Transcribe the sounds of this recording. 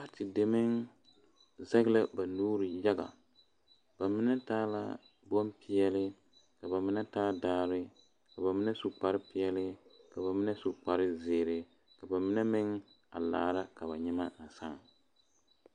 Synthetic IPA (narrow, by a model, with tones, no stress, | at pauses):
a˦tɪ˨de˨mɪ˦ŋ | za˦ɡla˦ba˨nuː˦ɾɪ˨ja˦ɡa̰˨ | b̥a˨mɪ˦nɛ˦taː˦la̰˦ | bɔ˦mpɪ˦jɛ˦lɪ˦ | ka˨ba˨mɪ˦nɛ˦taː˦daː˦ɾɪ˦ | ka˨ba˨mɪ˦nɛ˦su˨k͡pa˨ɾɪ˦pi˦jɛ˦lɪ˦ka˨ba˨mɪ˦nɛ˦su˨k͡pa˨ɾɪ˦zeː˨ɾɪ˨ | ka˨ba˨mɪ˦nɛ˦mɪ˦ŋ | a̰˨la̰ː˨ɾa˦ka˨βa˨ɲɛ˦ma˦na˨sa˦˨ŋ